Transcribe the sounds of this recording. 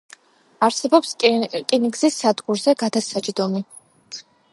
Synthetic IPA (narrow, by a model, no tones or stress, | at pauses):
aɾsɛbɔpskʼiniɡzisːad̪ɡʼuɾzɛɡad̪asat͡ʃʼd̪ɔmi